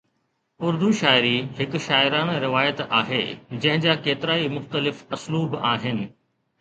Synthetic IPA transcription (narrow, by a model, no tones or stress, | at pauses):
ʊɾd̪uʃaːɪɾiɦɪkʃaːɪɾaːñɾɪʋaːjət̪aːɦḛːd͡ʑɐ̃ɦɪ̃d͡ʑaːkeːt̪ɪɾaːimʊxt̪əlɪfɐsluːbaːɦɪnɪ̆